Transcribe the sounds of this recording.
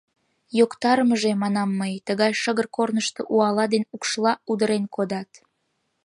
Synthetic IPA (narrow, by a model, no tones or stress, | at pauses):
jokt̪ɑɾməʒemɑnɑmːəjt̪əɣɑjʃəɣərkornəʃt̪oʔuɑlɑd̪enukʃlɑud̪əɾenkod̪ɑt̪